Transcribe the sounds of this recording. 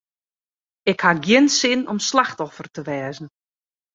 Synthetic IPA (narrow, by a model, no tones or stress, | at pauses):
ɪkhaɡjɪnsɪnɔmslaxtɔfərtəʋɛːzn̩